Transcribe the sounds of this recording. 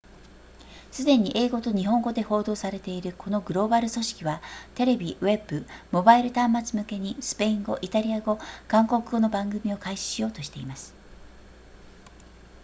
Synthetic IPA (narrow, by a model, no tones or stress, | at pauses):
sɨd̪ẽ̞ɲ̟iʔe̞ːɡo̞t̪o̞ɲ̟iɦõ̞ŋɡo̞d̪e̞ho̞ːd̪o̞ːsaɾe̞t̪e̞iɾɯ̟kʰo̞no̞ɡɯ̟ɾo̞ːbaɾɯ̟so̞ɕi̥kʲiβat̪e̞ɾe̞bʲiβe̞bɯ̟mo̞baiɾɯ̟t̪ãmːat͡sɨmɯ̟ke̞ɲ̟isɨ̥pe̞ĩŋɡo̞̰ʔit̪aɾʲiaɡo̞kãŋko̞kɯ̟ɡo̞no̞bãŋɡɯ̟mʲio̞kaiɕi̥ɕijo̞ːt̪o̞ɕi̥t̪e̞imasɨ̥